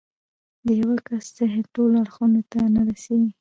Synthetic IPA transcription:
d̪əhawakaszeɦeʈolaɽxunot̪anaɾaseɡi

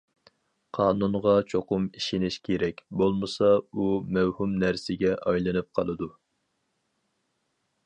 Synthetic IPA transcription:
qʰɑːnunʁɑt͡ʃʰoqʊmiʃinɪʃkʲʰeɾɛkʲbolˠmɨsɑumɛwhumnæɾsɪɡʲɛʔɑjlˠɨnɨp̚qʰɑlˠɨd̪u

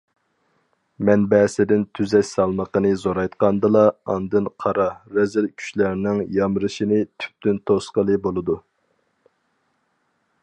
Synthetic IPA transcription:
mɛnbɛːsɪd̪ɪnt̪ʰyzɛʃsɑlˠməqənɨzoɾɑjt̪qɑnd̪ɨlˠɑɑnd̪ɨnqʰɑɾɑɾɛzɪlkʲʰy̥ʃlæɾnɪŋjɑmɾɨʃinɪt̪ʰy̥p̚t̪ynt̪ʰosqəlˠɨbolˠɨd̪u

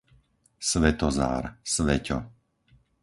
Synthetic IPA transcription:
sʋɛt̪ɔza̰ːɾsʋɛcɔ̰

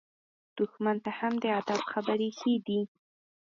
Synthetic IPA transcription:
d̪̥ʊxmant̪ahamd̪əad̪abxabaɾexed̪i

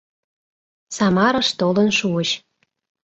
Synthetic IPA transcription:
sɑmɑɾɤʃt̪olənʃuəɕ

